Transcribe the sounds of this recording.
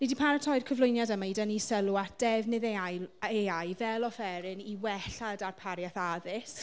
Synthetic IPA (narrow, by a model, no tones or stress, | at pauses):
nidipʰaɾətʰɔjr̥kʰəvlˠʊjnjadəmaidənisəluad̥ɛvnɪðeajeajvɛlˠɔfɛɾɪniwɛɬadarpʰaɾjaθaðɪs